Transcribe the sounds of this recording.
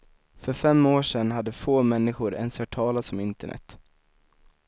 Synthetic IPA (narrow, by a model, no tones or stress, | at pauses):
fœɾfɛmːoːʂɛnɦad̪ːəfoːmɛnːɪɧʊɾɛ̰nshœʈʰɑːlat̪sɔmɪnt̪əɳɛ̰t̪